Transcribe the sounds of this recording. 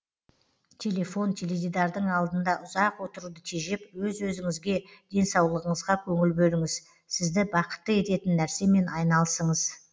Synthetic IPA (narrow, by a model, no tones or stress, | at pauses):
t̪ʲʰe̞le̞fo̞nt̪ʲʰelevʲid̪ɑɾd̪əɴɑlˠd̪ənd̪ɑʔʊzɑqwo̞t̪əɾud̪ət̪ʰeʒepwɵzwɵzɪŋɪzɡʲe̞d̪̥e̞nsɑwlˠəʁəɴəzʁɑkʲʰɵŋɪlbɵlɪŋɪz | sɪzd̪ɪbɑqə̥t̪ːəe̞t̪e̞t̪ɪnːæɾse̞me̞nɑjnɑlˠəsəɴəz